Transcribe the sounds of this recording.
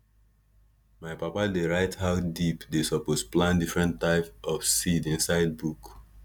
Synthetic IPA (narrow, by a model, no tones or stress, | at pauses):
maɪpapadeɹaɪthaʊdipdesɔposplãndifɹɛ̃ntːaɪpɔfsidĩnsaɪd̚buk